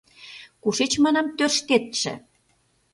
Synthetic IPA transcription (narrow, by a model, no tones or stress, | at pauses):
kuʃet͡ɕmɑnɑmt̪ørʃt̪et̪ʃḛ̆